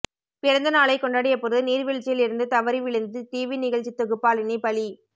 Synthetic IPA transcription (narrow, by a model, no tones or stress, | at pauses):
pɪɽɐnd̪ɐnaːɭɐɪkːɔɳɖɐːɽɪjɐpːɔɾɯðɯniːɾʋɪɻt͡ʃːɪjɪlɪɾɯnd̪ɯt̪ɐʋɐɾiʋɪɭɯnd̪ɯt̪iːʋinɪɣɐɭt͡ʃit̪ːɔɣɯpːaːlɪnipɐli